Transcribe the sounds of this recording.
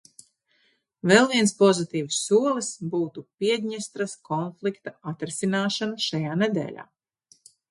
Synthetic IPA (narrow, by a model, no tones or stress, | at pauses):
vɛlˠviɛnspɔzit̪iːvsːuɔlˠisbuːt̪upiɛd̪ʲɲɛst̪ɾaskʰɔnflˠikt̪aat̪ɾisinaːʃanaʃajaːned̪ɛ̰ːlʲa̰ː